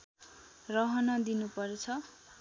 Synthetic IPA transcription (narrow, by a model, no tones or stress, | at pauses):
rʌɦʌnʌd̪inupʌɾet͡sʰʌ